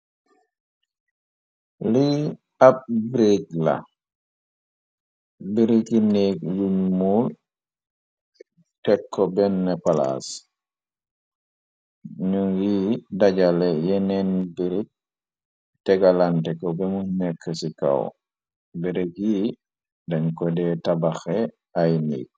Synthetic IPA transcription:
li | ab̚bɾeɡla̰ | biɾikinekjuɲmul | tɛkʰːɔbɛnːɛpala̰s | ɲujidaɟalɛjɛnɛnbiɾik̚ | tɛɡalantɛkːɔbɛmunɛkʰːəsika̰w | biɾiki | daŋkɔdɛtabaxe | ajnḭːk̚

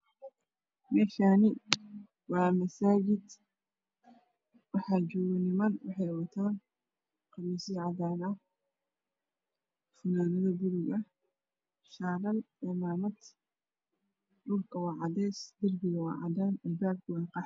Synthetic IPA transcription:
mɛːʃaːnɪ | wɑːmɐsaːd͡ʒɪd̪ | wɑħɑːd͡ʒʊwɪnɪmɐnwɑħɑjwɐt̪ʰaːn | qɑβiːsɪʕɑðaːnɐ | fɐnaːnɐðɐbʊɾʊɡɐ | ʃaːlɐl | ɛmaːmɐd̪ | dʊrkʰɐwɑːʕɑd̪ɛːsd̪ɐrbɪɣɐwɑ̰ːʕɑ̰d̪aːnɐlbaːb̚kwɑːqɑħ

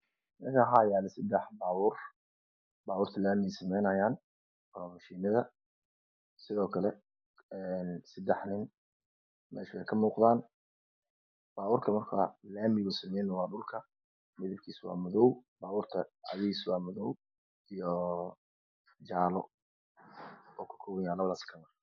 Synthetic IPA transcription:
nɐɣɐɦaːjaːlɛsɐd̪ɛħbaːwʊːr | baːwuːrt̪ʰɐlaːmɪɛsɐmɛjnɐjaːn | ɔːmɐʃiːnɐðɐ | sɪðɔːkʰɐlɛ | ɛnsɐd̪ɛħnɪn | mɛ̰ːʃbɛjkʰɐmuːqðaːn | b̥aːuːrk̪ʰɐmɐrkʰa̰ːlaːmɪɣʊsɐmɛjnɐwɑːɖʊlkʰɐ | mɪðɪbkʰiːswɑ̰ːmʊðɔwbaːβuːrt̪ʰɐʕɑ̰ðiiːswɑːmʊðɔw | ijɔ | d͡ʒaːlɔ | ɔːkʰʊ̥kʰɔwɐjaːlɐβɐðaːskʰɐmɪr

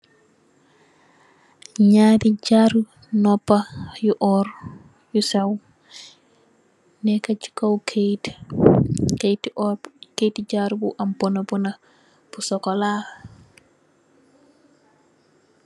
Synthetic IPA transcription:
ɲadid͡ʒaɾu | nɔpːajuʔɔɾ | jusaw | nɛkat͡ʃi̥kawkʰeti̥ | kejtid͡ʒaɾubuʔambɔnabɔna | b̥usɔkɔla

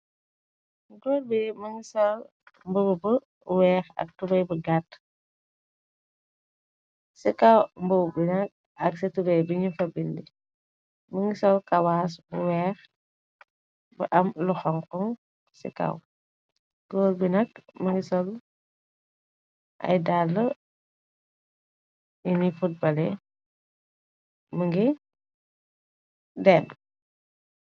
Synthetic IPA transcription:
ɡɔːlbimɐŋɡisɔl | mbowubə | wɛːxɐ̰k̚tubɛjbəɡat | sikawmbuwbinɐk̚ | ɐksitubɛjbiɲifɐbildi | məŋɡisɔlkawaːs̬buwɛːx | bə̰ʔɐmluxɔŋkɔŋ | sḭka̰w | ɡ̥ɔːlbinɐkməŋɡisɔl | ʔɐ̰jdalːə | inifut̚bɐlɛ | məŋɡi | dɛb

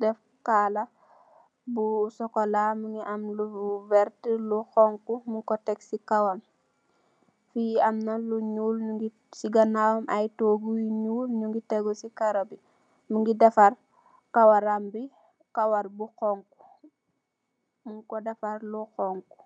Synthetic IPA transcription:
dɛf | kaːlɐ | busɔkɔlamuŋɡiʔɐmluvɛɾtluxɔŋkumuŋkɔtɛksikawam | fiɐmnɐluɲuːlɲuɡi | siɡɐnawɐmʔajtoɡujiɲuːlɲuŋɡitɛɡusikaɾɐbi | muŋɡidɐfar | kawaɾambi | kawaɾbuxɔŋku̥ | muŋkɔdɐfaɾluxɔŋku̥

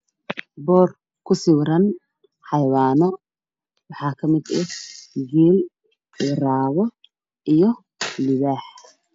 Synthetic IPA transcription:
bɔːr | kʰʊsɪwɾɐn | ħɑjwaːnɔ | wɑħɑːkʰɐmɪd̪ɛɡɛːl | ɪraːɣɔ | ʔijɔ | lɪβaːħ

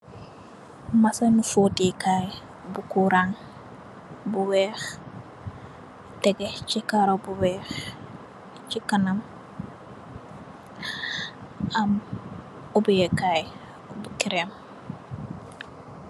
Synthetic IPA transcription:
masanufotikaːj | bukuɾaŋ | buwɛːx | tɛɡet͡ʃikaɾobuwɛːx | t͡ʃikanam | am | ubijekaːj | bukiɾem

